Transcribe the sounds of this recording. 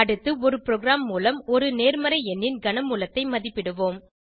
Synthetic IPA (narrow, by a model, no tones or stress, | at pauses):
ɐɽɯt̪ːɯɔɾɯpɪɾoːɡɾaːmːuːlɐmɔɾɯneːɾmɐɾɐɪɛnːɪnɡɐɳɐmuːlɐt̪ːɐɪmɐðɪpːɪɽɯʋoːm